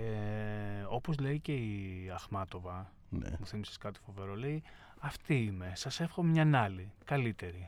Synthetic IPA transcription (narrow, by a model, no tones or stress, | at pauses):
e | o̞po̞zle̞ice̞iɐxmɐt̪o̞vɐ | n̰muθimise̥skɐt̪i̥fo̞ve̞ɾo̞lei | ɐft̪iime̞sɐse̞fxomɲɐnɐlikɐlit̪e̞ɾi